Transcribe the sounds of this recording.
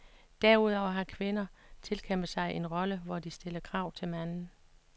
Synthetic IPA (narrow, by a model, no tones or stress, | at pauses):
d̥æɐuð̰ˠɒʊɐɦɑ̈kʰʋe̝nɐt͡sʰe̝lkʰem̰bð̩ˠsɑ̈ɪʔe̝nʁɒ̽ləʋɒd̥isd̥e̝lɐkʰʁɑ̈ʊ̰t͡sʰe̝lmænn̩